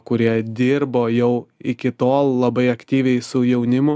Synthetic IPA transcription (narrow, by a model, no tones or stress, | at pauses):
kʊɾʲiɛd̪ʲɪɾboːjɛʊɪkʲɪt̪oːlˠlˠɐbɐɪɐkt̪ʲiːʋʲɛɪsʊjɛʊnʲɪmʊ